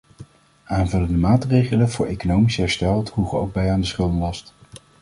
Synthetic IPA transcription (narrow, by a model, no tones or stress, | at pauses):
aːnvɵləndəmaːtrejχələnvʊːɹʔejkonowmisəɦɛɹstɛlˠtɦuχəo̰wɡ̚bɛjaːndəsχɵlˠdənlɑst